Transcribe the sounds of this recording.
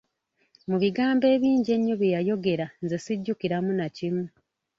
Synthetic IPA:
muβiɡaːmbe̞ːβiːɲɟe̞ɲːoβjejajo̞ɡe̞ɾanzesiɟːukiɾamunacimu

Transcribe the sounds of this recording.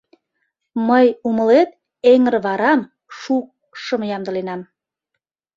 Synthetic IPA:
məjumə̆let̪̚ | eŋə̆rβɑɾɑm | ʃuk̚ | ʃəmjɑmd̪ə̆lenɑm

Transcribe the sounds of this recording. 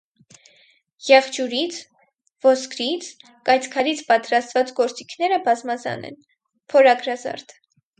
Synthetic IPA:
jɛχt͡ʃuɾit͡sʰ | vɔskɾit͡sʰ | kɑjt͡sʰkʰɑɾit͡sʰpɑt̪ɾɑst̪vɑt͡sɡɔɾt͡sikʰnɛɾəbɑzmɑzɑ̰nɛ̰n | pʰɔɾɑɡɾɑzɑ̰ɾt̪ʰ

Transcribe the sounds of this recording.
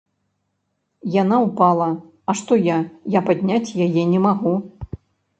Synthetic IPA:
janauwpalˠɐ | ɐʂt̪ɔjajapad̪ʲnʲat͡sʲjajɛnʲɛmaɣu

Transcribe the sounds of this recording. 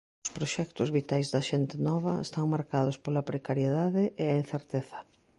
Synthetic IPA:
ʊspɾoʃɛkt̪ʊzβit̪ajzðɐʃent̪enɔβɐḛst̪aŋmaɾkað̞ʊspolɐpɾekaɾjeðaðɪʔeain̟θeɾt̪eθɐ̥

